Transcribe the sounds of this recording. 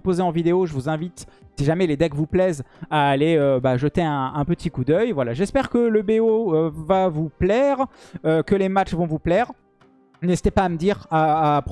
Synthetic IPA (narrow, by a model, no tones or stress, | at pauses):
pozeɑ̃vid̪eoʒəvuzɛ̃vit̪siʒamɛled̪ɛkvuplɛzaːleøbaʒət̪eɛ̃ɛ̃pət̪ikud̪œjvwalaʒɛspɛʁkələbeoøvavuplɛʁøkəlemat͡ʃvɔ̃vuplɛʁ | nezi̥t̪epaːməd̪iʁaːp